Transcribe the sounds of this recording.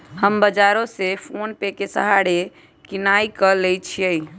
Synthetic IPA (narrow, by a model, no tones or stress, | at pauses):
həmbəd͡ʒaɾõsepʰonpekesə̰ɦaɽe | kinaikəlɛjt͡ʃʰijəj